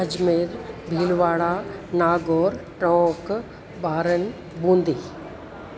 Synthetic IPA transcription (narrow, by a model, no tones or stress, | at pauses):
ɐd͡ʒmeːɾbʱiːlʋaːɭaːnaːɡoːɾʈɔ̃ːk | baːɾən | bũːnd̪iː